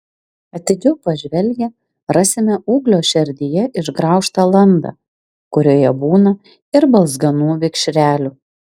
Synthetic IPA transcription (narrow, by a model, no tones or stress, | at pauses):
ɐt̪ʲɪd͡ʒʲɛʊpɐʒʲʋʲɛlʲɡʲɛ | ɾɑːsʲɪmʲɛuːɡlʲoːʃʲɛɾʲd̪ʲɪjɛʔɪʒɡɾɑˑʊʃt̪ɑːlˠɐnd̪ɐ̰ | kʊɾʲoːjɛbuːnɐ | ɪɾbɐlˠzɡɐnuːʋʲɪkʃʲɾʲæːlʲuː